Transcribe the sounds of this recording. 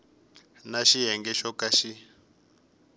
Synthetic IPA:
naʃiɦɛŋɡɛʃɔkaʃi

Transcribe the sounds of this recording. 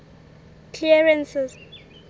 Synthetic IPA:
kʰliɛɹɛnsɛz

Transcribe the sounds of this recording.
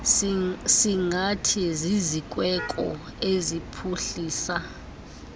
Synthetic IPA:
siŋatʰizizikʼwɛkʼɔ̰ | ezipʰuɬiːsa

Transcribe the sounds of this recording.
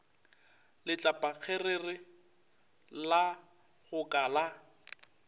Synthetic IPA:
lɪt͡ɬʼapʼak͡xʰererɪ | la | ɣʊkʼaːla

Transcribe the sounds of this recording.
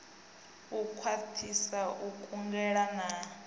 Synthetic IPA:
ukʰwatʰisaʔukʼuŋɡɛɺana

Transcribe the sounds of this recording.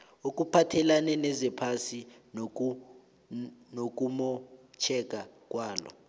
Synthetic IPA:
ok̬ʼupʰatʰɛlanɛnɛzɛpʰasin | nok̬ʼumɔt͡ʃʰɛk̬ʼak̬ʼwaːlɔ̰

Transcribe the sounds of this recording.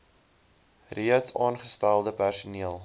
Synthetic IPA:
riətsɑːnχəstælˠdəpærsuniəlˠ

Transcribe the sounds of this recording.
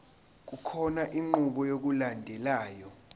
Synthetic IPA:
k̬ukʰɔnaʔiŋ͡ǃuɓɔjok̬ulandʱɛlaːjɔ

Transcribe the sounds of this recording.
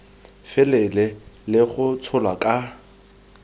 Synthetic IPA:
fɪlɛlɛlɪχʊt͡sʰʊlwakʼa

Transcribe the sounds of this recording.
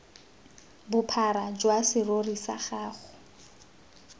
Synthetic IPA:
bʊpʰaɾad͡ʒwasɪrorisa̰χaːχʊ

